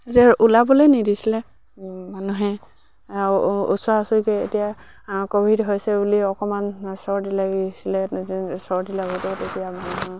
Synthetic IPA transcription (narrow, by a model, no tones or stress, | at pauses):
etiaʔulabɔlojnidisilɛ | manuɦɛ | ṵtswaasɔkɛetija | kobʱidɦojsɛbuliɔkɔmansɔɹdilaɡisilɛsɔɹdilaɡɔtɔtetijama